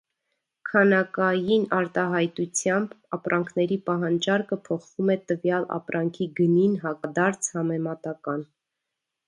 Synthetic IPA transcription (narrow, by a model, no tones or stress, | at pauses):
kʰɑnɑkɑjinɑɾt̪ɑɦɑjt̪ut͡sʰjɑmbɑpɾʔɑŋkʰnɛɾipɑɦɑnd͡ʒɑɾkəpʰɔχvumɛt̪əvjɑlɑ̰pɾɑŋkʰiɡəninɦɑkɑd̪ɑɾt͡sʰhɑmɛmɑt̪ɑkɑn